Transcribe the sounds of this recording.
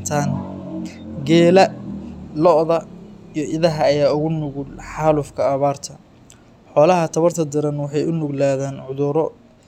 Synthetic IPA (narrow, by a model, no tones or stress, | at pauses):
t̪ʰaːn | ɡɛːlɐ | lɔʔðɐijɞʔɪðɐɦɐːjaːʊɣʊnʊɣʊlħɑːlʊfkʰɐːβaːrt̪ʰɐ | ħɔːlɐɦɐt̪ʰɐβɐrt̪ʰɐd̪ɪɾɐnwɑħɑjʊnʊɡlaːðaːnʕʊðʊɾɔ